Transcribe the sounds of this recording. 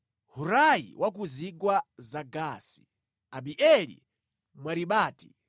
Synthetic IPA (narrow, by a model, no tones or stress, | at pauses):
huɾajḭwʔak̬uziɡwazaɡaːsi̥ | aɓiʔɛlḭ | mwaɾiɓaːti̥